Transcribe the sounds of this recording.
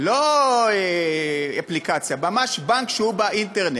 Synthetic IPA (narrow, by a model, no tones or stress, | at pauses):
loe | aplikat͡sjamamaʃbaŋkʃeubaʔinteʁne